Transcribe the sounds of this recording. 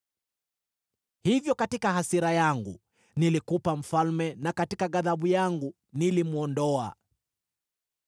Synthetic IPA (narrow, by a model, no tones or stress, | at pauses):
hivjɔkatikahasiɾajaŋɡṵ | nilikupam̩falmɛnakatikaɣaðaɓujaŋɡu | nilimuɔndɔa̰